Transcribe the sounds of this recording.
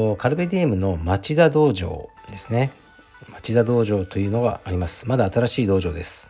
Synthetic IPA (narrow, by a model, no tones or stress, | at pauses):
kaɾɯ̟be̞d̪e̞ːmɯ̟no̞mat͡ɕid̪ad̪o̞ːʑo̞̰ːd̪e̞sɨne̞ | mat͡ɕid̪ad̪o̞ːʑo̞ːt̪o̞jɯ̟ːno̞ɡa̰ːɾʲimasɨ̥mad̪aːt̪aɾaɕiːd̪o̞ːʑo̞ːd̪e̞sɨ̥